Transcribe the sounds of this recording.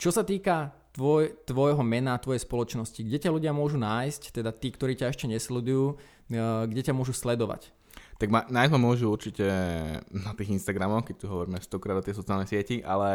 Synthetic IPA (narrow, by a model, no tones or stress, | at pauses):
t͡ʃɔsat̪iːka | t̪ʋɔjt̪ʋɔjɦɔmɛnaːt̪ʋɔjɛspɔlɔt͡ʃnɔsciɡɟɛcaluɟɪamʊɔʒunaːjsct̪ɛd̪at̪iːkt̪ɔɾiːcaɛʃcɛɲɛslɛd̪ujuː | ɡɟɛcamʊɔʒuslɛd̪ɔʋa̰c | t̪aɡmanajzmamʊɔʒuuɾt͡ʃicɛ | nat̪iːɣinst̪aɡɾamɔxkɛc̚t̪uɦɔʋɔɾiːmɛaʃst̪ɔkɾaːd̪ɔt̪jɛsɔt͡sialnɛjsɪɛciʔa̰lɛ